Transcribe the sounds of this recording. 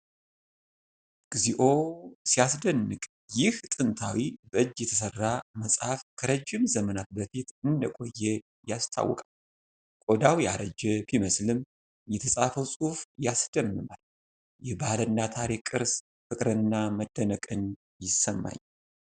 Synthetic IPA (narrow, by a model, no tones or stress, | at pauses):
ɡ̥ziʔo̞sijasd̪ənːɨkʼ | jɪht̪ʼɨnt̪ʰawibəʔɨd͡ʒːjɛt̪ʰəsərːaməsʼhafkʰəɾəd͡ʒːɪmzəmənat̪̚bəfit̪ɨnd̪əkʼo̞jːɛ | jast̪ʰa̰wːɔ̰kʼal | kʼo̞d̪awjaɾəd͡ʒɛfiməslɨm | jɛt̪ʰəsʼafəwsʼufjasd̪̥əmːɨma̰l | jɛbalənːat̪ʰaɾikʼɨɾs | fɨkʼɾɨnːaməd̪ːənəkʼɨn | jɪsːəmːa̰ɲː